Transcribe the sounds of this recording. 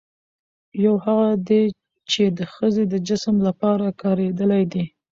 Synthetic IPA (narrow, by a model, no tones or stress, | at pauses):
jawhaɣad̪e | t͡ʃed̪əxəzed̪əd͡ʒɪsəmlapɑɾakɑɾed̪əlajd̪e